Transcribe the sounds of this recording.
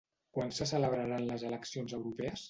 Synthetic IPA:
kwansəsələβɾaɾanləzələksionzəwɾupɛəs

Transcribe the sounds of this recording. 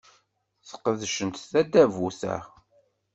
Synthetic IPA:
θə̥qəðʃənt̪θæd̪ːævuθæ̰

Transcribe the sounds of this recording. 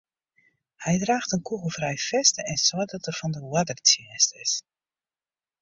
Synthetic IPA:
hɛjdraːxtənkuɣəlˠfrɛjfɛstəɛnswɔdɔtərfɔndəwadərtiəstɪ̰s

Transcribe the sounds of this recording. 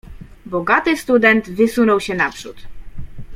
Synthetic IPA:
bɔɡat̪ɘst̪ud̪ɛnt̪vɘsunɔwɕɛnapʂṵt̪

